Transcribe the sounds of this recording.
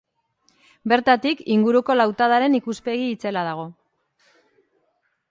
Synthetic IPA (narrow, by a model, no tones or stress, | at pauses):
be̞ɾt̪at̪ikiŋɡuɾuko̞lawt̪að̞aɾe̞nikuspe̞ɣiːt͡se̞lað̞aɣ̞o̞